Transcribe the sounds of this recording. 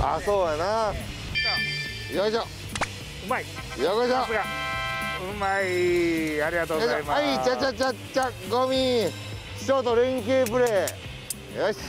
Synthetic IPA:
a̰soːjana | joɕo | ɯmai | jokoɕosɡa | ɯmaiaɾʲiɡat̪oːɡaaimaait͡ɕat͡ɕat͡ɕa | t͡ɕaɡomʲi̥ | t͡ɕoːt̪oɾẽŋk̬ʲeːpɯ̟ɾeː | joɕ

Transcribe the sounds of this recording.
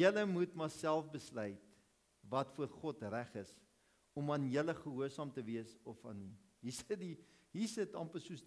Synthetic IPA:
jələmutmɑsælˠfbəslœjt | vɐtfuərχɔtræχəs | ɔmɐnjələχəɦuərsɑːmtəviəsɔfɑ̰ni | ɦisədi | ɦisətɑ̰mpəsuəs

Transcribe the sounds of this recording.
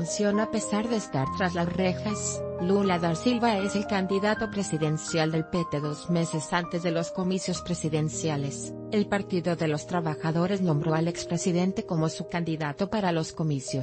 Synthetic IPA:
nsjo̞nape̞saɾðe̞ːst̪aɾt̪ɾazlasrexaslulaðaɾsilβae̞se̞lkand̪iðat̪o̞pɾe̞siðe̞nsjald̪e̞lpe̞t̪e̞ðo̞zme̞se̞sant̪e̞zðe̞lo̞sko̞misjo̞spɾe̞siðe̞nsjale̞s | e̞lpaɾt̪iðo̞ðe̞lo̞st̪ɾaβaxaðo̞ɾe̞znõ̞mbɾo̞ale̞kspɾe̞siðe̞nt̪e̞ko̞mo̞sukand̪iðat̪o̞paɾalo̞sko̞misjos

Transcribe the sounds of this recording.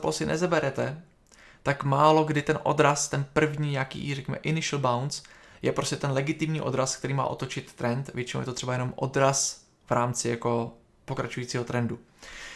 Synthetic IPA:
posɪnʔɛ̰zɛbɛɾɛt̪ɛ | t̪akmaːlo̞ɡdɪt̪ɛnʔo̞̰d̪ɾast̪ɛnpr̩vɲiːɲakḭːrɛkɲɛmɛ̰ʔɪnɪʃl̩bawns | jɛpɾo̞scɛt̪ɛnlɛɡɪt̪ɪmɲiːʔo̞d̪ɾask̚t̪ɛɾiːma̰ːʔo̞t̪o̞t͡ʃɪt̪ːɾɛnt̪vjɛt͡ʃɪno̰wjɛt̪ot̪r̥ɛbajɛnomʔo̞̰d̪ɾas | v̥ɾaːmt͡sɪjako̞ | po̞kɾat͡ʃujiːt͡siːɦo̞t̪ɾɛndu

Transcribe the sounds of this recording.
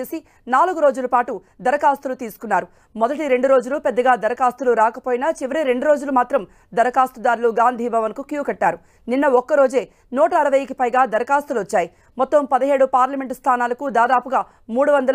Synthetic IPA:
eːsi | naːluɡuɾo̞ːd͡ʒulɐpaːʈu | d̪ɐɾɐkaːst̪ulut̪iːsu̥kunːaːɾu | mɔd̪ɐʈiɾe̞ɳɖuɾo̞ːd͡ʒulupɛd̪ːɐɡaːd̪ɐɾɐkaːst̪uluɾaːkɐpoːjinɐt͡ʃiʋɐɾiɾe̞ɳɖuɾo̞ːd͡ʒulumaːt̪ɾɐm | d̪ɐɾɐkaːst̪ud̪aːɾuluɡaːnd̪ʱiːbʱɐʋɐnkukjuːkɐʈːaːɾu | ninːɐɔkːɐɾo̞ːd͡ʒe̞ː | nɔːʈɐːɾɐʋɐjɐikipɐjɡaːd̪ɐɾɐkaːst̪uluʋɐt͡ʃːaːji | mɔt̪ːɐmpɐd̪ɐɦe̞ːɽupaːɾlɐme̞ɳʈst̪ʰaːnaːlɐkud̪aːd̪aːpuɡaː | muːɽuʋɐnd̪ɐl

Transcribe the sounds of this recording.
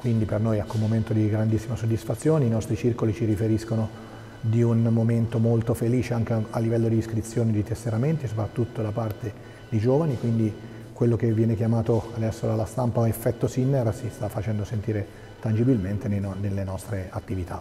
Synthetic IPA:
kwind̪ipernojɛkːumːoment̪od̪iɡɾand̪isːimasod̪ːisfat̪sːjoːneinɔst̪ɾit͡ʃirkolit͡ʃiɾifeɾiskono | d̪iunmoment̪omolt̪ofeliːt͡ʃeaŋk̟ealːivɛlːod̪iːskɾit̪sːjoːnid̪it̪esːeɾament̪isopɾat̪ːut̪ːod̪apart̪e | d̪id͡ʒoːvanikwind̪i | kwelːok̟evːjɛːnekjamaːt̪oad̪ɛsːod̪alːast̪ampaefːɛt̪ːosinːeɾsist̪afːat͡ʃɛnd̪osent̪iːɾe | t̪and͡ʒibilment̪enenelːenɔst̪ɾeat̪ːivit̪ʰa̰

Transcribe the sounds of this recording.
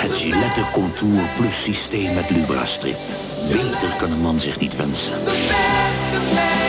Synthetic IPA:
hətʒilɛtəkɔntʰuːrplɵsisteːmːɛtlybra̰strḭk | beːtərkɑnəmɑnzɪχnitʋɛnsə̰n

